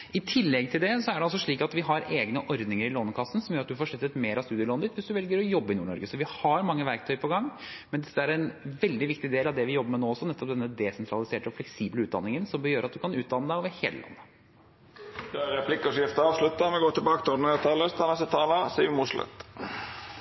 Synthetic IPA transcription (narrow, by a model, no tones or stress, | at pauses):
ɪt̪ʰɪlːɛɡ̚t̪ʰɪld̪ɛsɔæɖɛɑlsɔʂɭiːkɑt̪ʋɪɦɑɾeːɡnəʔɔɾd̪nɪŋəɾɪloːnkʰɑsːn̩sɔmjøɾɑt̪d̪ʉfoːʂɭʏt̪ːət̪meːɾɑʋst̪ʉːd̪ɪəloːnəd̪ɪt̪ʋɪsd̪ʉʋɛlɡəɾɔjɔbːəɪnuːɳɔ̰ɾɡəsɔʋɪhɑɾmɑŋːəʋæɾk̚t̪ʰœʏpʰɔɡɑŋːmɛnd̪ɛsəæɾænʋɛld̪ɪʋɪkt̪ɪd̪eːlɑʋd̪ɛʋɪjɔbːəmɛnoːɔsːɔnɛt̪ːɔpd̪ɛnːəd̪ɛsɛnt̪ʰɾɑlɪseːʈəɔflɛksiːbləʉːt̪̚d̪ɑ̰nːɪŋənsɔmbəjøːɾɑt̪̚d̪ʉkʰɑnʉːt̪̚d̪ɑnːəd̪æɪɔʋɛheːləlʔɑ̰nːə | d̪øæɾɾɛpʰlɪkəʂɪft̪əɑːʋʂlʉt̪ːɑmɛɡoːt̪ʰɪlbɑːkə̥t̪ʰɔd̪nəæt̪ʰɑːləst̪ʰɑnɛst̪ət̪ʰɑːləsiːʋmuʂlœ̰t̪